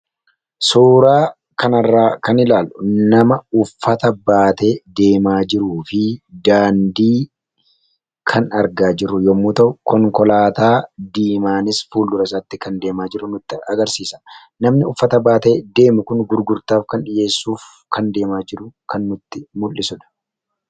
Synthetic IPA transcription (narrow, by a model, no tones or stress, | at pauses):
soːɾaː | kɐnɐrːaːkɐnɪlaːlʔʊnɐmɐʊfːɐt̪ɐbaːt̪e̞ːd̪e̞ːmaːd͡ʒɪɾuːfɪd̪aːnd̪iː | kʰɐnɐɾɡaːd͡ʒɪrːʊjɔmːuːt̪ɐʔʊkɔŋkɔlaːt̪aːd̪iːmaːnɪsfuːlːʊɾɐs̬aːt̪ːɪkɐnd̪e̞ːmaːd͡ʒɪɾʊnʊt̪ːɪɐɡɐɾsiːsɐ̥ | nɐmnɪʊfːɐt̪ɐbaːt̪e̞ːd̪e̞ːmʊkʊnɡʊɾɡʊɾt̪aːfkɐnᶑɪje̞ːsːuːf | kʰɐnd̪e̞ːmaːd͡ʒɪɾʊkʰɐnːʊt̪ːɪmʊlːɪsɔᶑ̪ɐ̥